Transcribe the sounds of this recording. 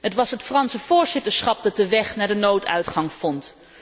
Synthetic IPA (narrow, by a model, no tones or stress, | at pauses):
ɦətʋɑsɦətfrɑnsəv̥ʊːɹzɪtəɹsχɑp̚dɑt̚dəʋɛχnaːɹdənowtʰœ̰ɥtχɑŋfɔnt